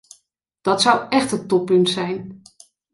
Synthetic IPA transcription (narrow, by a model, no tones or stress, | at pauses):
d̥ɑtsʌwʔɛχtətɔpːɵntsɛjn